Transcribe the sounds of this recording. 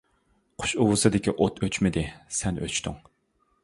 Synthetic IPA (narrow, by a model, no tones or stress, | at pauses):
qʰʊ̥ʃuwʊsɨd̪ɪkʲiʔot̪ʰøt͡ʃmɪd̪ɪsɛnʔø̰t͡ʃt̪ʰyŋ